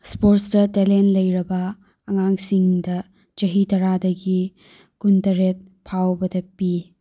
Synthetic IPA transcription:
spoɾstɐtelenlɐjɾɐbɐː | ŋaŋsiŋdɐ | d͡ʒɐɦitɐɾadɐɡi | kuntɐɾet̚ | pʰawbɐdɐpi

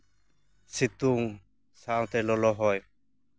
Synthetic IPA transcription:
sit̪uŋ | saʔawt̪ɛlɔlɔɦɔj

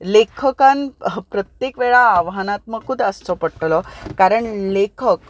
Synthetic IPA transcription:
lekʰəkanpɾət̪jekʋeɭaːʋɦanat̪məkud̪ʱəst͡sɔpəɽʈ̪lɔkaɾəɳlekʰək

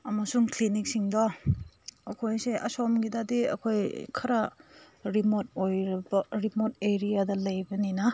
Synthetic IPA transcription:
ɐmɐsuŋklinik̚siŋdɔ | ɐkʰojseʔɐsomɡidadiɐ̰kʰojkʰɐɾa | ɾimot̚ojɾɐbɐɾimot̚eɾijadɐlɐjbɐninɐ

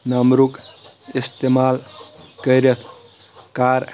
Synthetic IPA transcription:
nəmɾuk | ist̪emalkəɾət̪ʰ | kaɾ

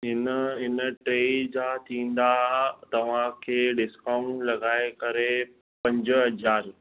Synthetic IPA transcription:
ɦɪnəɦɪnəʈɾeːd͡ʑat̪ʰĩːn̆d̪at̪ɐʋ̤ãkʰeːɖɪskãːʊ̃ɳʈlɐɡaːekɐɾe | pɐ̃ɲd͡ʑɦɐd͡ʑaːɾ

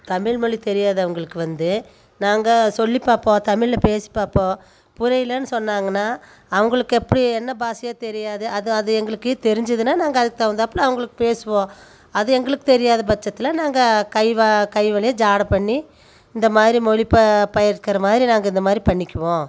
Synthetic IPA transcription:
t̪ɐmɪɭmɔɭit̪ɛɾɪjaːðɐɐʋɐŋɡɐɭɯkːɯʋɐnd̪ɯ | naːŋɡɐsɔlːipːaːpːõːt̪ɐmɪɭlɐpeːsi̥pːaːpːõː | pʊɾɐjɪlɐnːɯsɔnːaːŋɡɐnːaː | ɐʋɐŋɡɐɭɯkːɯɛpːɐɽiɛnːɐbaːsɐjaːt̪ɛɾɪjaːðɯʔɐðɯɐðɯɛŋɡɐɭɯkːɯeːt̪ɛɾɪɲd͡ʒɐðɯnːaːnaːŋɡɐɐðɯk̚t̪ːaːʋɐnd̪ɐpːɯɭɐʋɐŋɡɐɭɯkːɯ̥peːsɯʋõː | ɐðɯɛŋɡɐɭɯkːɯ̥t̪ɛɾɪjaːðɐbɐt͡ʃːɐt̪ːɪlɐnaːŋɡɐkɐɪʋakɐɪʋɐlɐjɐd͡ʒaːɽɐpɐɳːi | ɪnd̪ɐmaːðɾimɔɭipɐpɐjɐɾkɐɾɐmaːðɾinaːŋɡɐɪnd̪ɐmaːðɾipɐɳːɪkʲːɯʋõː

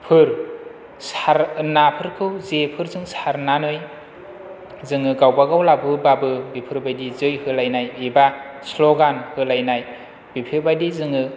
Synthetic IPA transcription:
pʰɯɾ | saɾnapʰɯɾkʰɯwzepʰɯɾzɯŋsaɾnanɯj | zɯŋɯɡawbaɡawlabɯbabɯbipʰɯɾbajdizɯjhɯlajnajiba | sloɡanhɯlajnaj | bipʰɯɾbajdizɯŋɯ

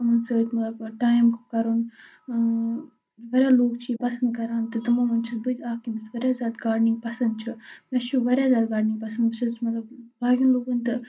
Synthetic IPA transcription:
ɐmɐnsəːt̪ʲmɐt̪lɐbʈaːjmku̥kɐɾun | ʋɐɾʲjaːloːkt͡ʃʰipɐsɐnd̪̚kɐɾaːnt̪ɨt̪ɨmaːʋɐnt͡ʃʰisbɨd͡ʒ̪ʲaːkimɐsʋɐɾʲjaːzaːd̪ɡaːɖniŋɡpɐsɐnd̪̚t͡ʃʰumɐt͡ʃʰuʋɐɾʲjaːzaːd̪̚ɡaːɖniŋɡpɐsɐnd̪bɨsʰɐsmɐt̪lɐbbaːɡʲinloːɡɐnt̪ɨ

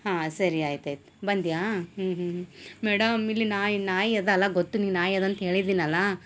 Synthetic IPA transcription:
hãːsɐɾiaːjit̪ajt̪ | bɐnd̪jaːɦːɦɦmɛːɽɐmilːinaːjnaːjiɐd̪ɐlːɐɡot̪ːuniːnaːjɐd̪ɐnt̪ɦe̞ːɭid̪iːnɐlːɐ

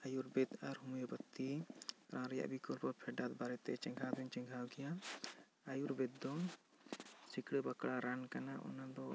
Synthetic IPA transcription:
ajuɾbɛt̪aɾɦumujɔpət̪ːiɾãɾɛja̰ʔbikɔlpɔɾpʰɛɖat̪̚baɾɛt̪ɛt͡ʃɛ̃ŋɡʱad̪ɛɲt͡ʃɛ̃ŋɡʱawɡɛja | ajuɾbɛt̪̚d̪ɔ | sikɽəbakɽaɾankanaʔɔ̰nad̪ɔ

